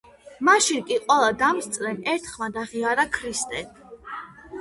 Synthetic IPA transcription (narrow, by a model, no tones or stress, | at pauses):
maʃinkʼiqʼwɛlˠad̪amst̪sʼɾɛmɛɾt̪ʰχmad̪aʁiaɾakʰɾist̪ʼɛ